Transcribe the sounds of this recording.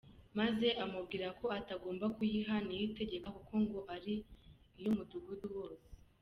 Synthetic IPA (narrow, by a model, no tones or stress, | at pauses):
maze̞ʔamub̚ɡiːɾako̞ataɡo̞ːmbakujiɦanijite̞ɟe̞kakuko̞ŋɡo̞ʔaɾiː | jomuduɡuduwoɾe